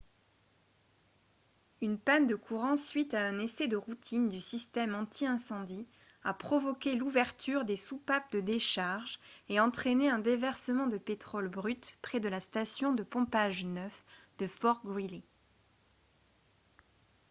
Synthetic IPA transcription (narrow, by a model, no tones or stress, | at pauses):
ynpand̪əkuʁɑ̃sɥit̪aɛ̃nesɛd̪əʁut̪ʰind̪ysist̪ɛmɑ̃t̪ʰiɛ̃sɑ̃d̪i | apχɔvɔkʲeluvɛʁt̪ʰyʁd̪esupap̚d̪əd̪eʃaʁʒeɑ̃t̪χeneɛ̃d̪evɛʁsəmɑ̃d̪əpet̪χɔlbʁyt̪pχɛd̪əlast̪asjɔ̃d̪əpɔ̃paʒnœfd̪̥əfɔʁɡʁile